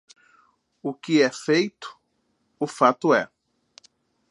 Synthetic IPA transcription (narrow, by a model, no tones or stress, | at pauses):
ʊkɪɛfejt̪ʊ̥ | ʊfat̪ʊɛ